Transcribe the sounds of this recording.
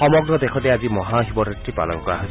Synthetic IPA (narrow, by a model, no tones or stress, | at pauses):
ɔmɔɡɹɔd̪ɛkʰɔtɛazimɔɦaɦibɔtɔtɹipa̰lɔ̰ŋkɔaɦo